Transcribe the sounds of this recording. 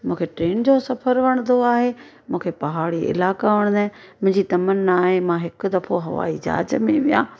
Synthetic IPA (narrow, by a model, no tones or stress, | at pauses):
mũːkʰeʈɾeːnd͡ʑosɐfʰəɾʋɐɽ̃nd̪oaːɦe | mũːkʰepɐɦaːɽiɪ̰laːkaʋɐɽ̃d̪aːɪ̃ | mʊ̃ɦɪ̃ɲd͡ʑit̪ɐmənːaːɦemãɦɪkʊ̆d̪ɐfoɦɐ̰ʋa̰ːid͡ʑa̰ːd͡ʑmẽʋijã̰ː